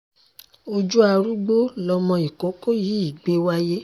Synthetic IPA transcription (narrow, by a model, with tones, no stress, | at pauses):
o˧d͡ʒu˦a˧ɾu˦ɡ͡bo˦lɔ˧mɔ̃˧i˨ko˨˦ko˦ji˨˦i˦˨ɡ͡be˦wa˦je˦